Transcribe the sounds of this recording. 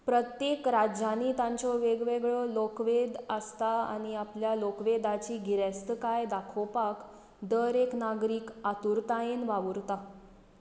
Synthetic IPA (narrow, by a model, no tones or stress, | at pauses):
pɾət̪jekɾad͡ʑaniːt̪ãɲt͡ɕɔʋeɡʋeɡɭɔlokʋed̪əst̪aa̰ɽ̃iapljalokʋed̪at͡ɕiːɡʱiɾest̪əkajd̪akʰɔpak | d̪əɾeknaɡɾiːkat̪uɾt̪ajenʋaʋɾt̪a